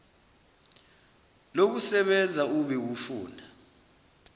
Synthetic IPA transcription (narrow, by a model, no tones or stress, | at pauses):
lok̬usɛɓɛnd͡zʱauɓɛk̬ufṵːnʱa